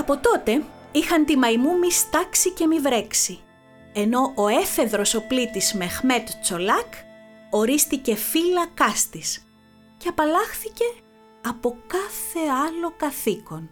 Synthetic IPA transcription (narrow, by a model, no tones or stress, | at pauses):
ɐpo̞t̪o̞t̪e̞ | ixɐnt̪imɐimumist̪ɐksice̞mivɾe̞ksi | e̞no̞ʔoe̞fe̞ðɾo̞so̞plit̪izme̞xme̞t̪t͡so̞lɐko̞ɾist̪ice̞filɐkɐst̪is | ceɐpɐlɐxθice̞ | ɐpo̞kɐθe̞ɐlo̞kɐθiko̞n